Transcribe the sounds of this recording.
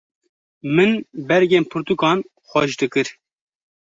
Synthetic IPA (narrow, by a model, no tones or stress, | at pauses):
mɨnbɛɾɡeːnpʰɨɾt̪ukɑːn | xʷɛʃd̪ɨkɨɾ